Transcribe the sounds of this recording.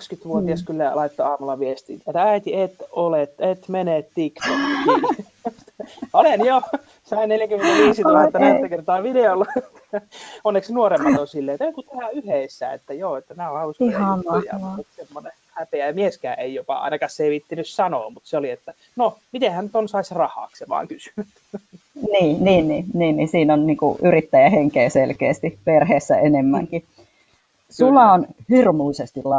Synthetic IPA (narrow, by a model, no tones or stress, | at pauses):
ɑkskyt̪ʋuot̪iɑskylːælɑit̪ːoɑːmulːɑʋiest̪ḭːt̪et̪ːææit̪iet̪olet̪et̪menet̪t̪ikt̪ok | olenjo | sɑinneljækymːent̪æʋiːsit̪ulɑet̪ːænæist̪ækert̪ɑːʋideolːɑt̪onːeksnuoremːɑt̪onsilːeet̪ːæjoŋkut̪ehæyheisːæ̰ḛt̪ːæjoːet̪ːænæːohɑlusjɑ̰olsemːone | hæpeæmieskæːʔeijopɑ̰ɑ̰inɑkɑsseiʋit̪ːinyssɑno̰ːmut̪seoliet̪ːæ | nomit̪ehænnyt̪onsɑisrɑhɑ̰ːkseʋɑ̰ːŋkysy̥nyt̪ | niːniːnniːniːnnisiːnonniːŋkṵʔyrit̪ːæjæheŋkeːselkḛːst̪iperheːsːæenemːæ̰ŋki | sulɑonhirmuisest̪illɑ